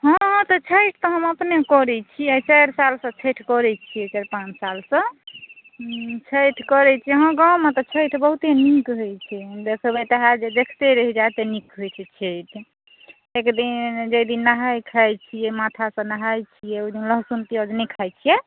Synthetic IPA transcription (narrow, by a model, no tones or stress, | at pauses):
ɦɔ̃t̪ɔt͡ʃʰəɪʈʰt̪ɔɦəməpnekɔɾɛt͡ʃʰiɛt͡ʃəjɾsalsə̃t͡ʃʰəʈʰkɔɾɛt͡ʃʰiɛt͡ʃaɾpãt͡ʃʰsalsə̃ | t͡ʃʰəjʈʰkɔɾɛt͡ʃʰiɛɦɔ̃ɡãwmet̪ɔt͡ʃʰəjʈʰbəɦut̪enikɦot͡ʃʰid̪ekʰəbət̪eɦad͡ʒed̪ekʰt̪eɾəɦid͡ʒat̪enikɦojt͡ʃʰɛt͡ʃʰeʈʰ | ekd̪ind͡ʒəjd̪inːaɦajkʰajt͡ʃʰijɛmat̪ʰasə̃naɦajt͡ʃʰijɛojd̪inləɦsunt̪iɔd͡ʒnɛkʰajt͡ʃʰijɛ